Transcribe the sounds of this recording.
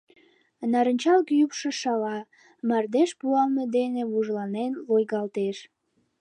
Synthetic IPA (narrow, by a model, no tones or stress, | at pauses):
nɑɾənʲt͡ɕɑlkyjypʃeʃɑlɑ | mɑrd̪eʃpuɑlned̪eneβuʒlɑnenlojɣɑlt̪eʃ